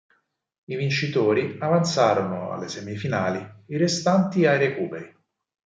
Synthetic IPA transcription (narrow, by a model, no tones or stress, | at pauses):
ivint͡ʃit̪oːɾiavant̪saːɾonoa̰lːesemifinaːliirest̪ant̪iajɾekuːpeɾi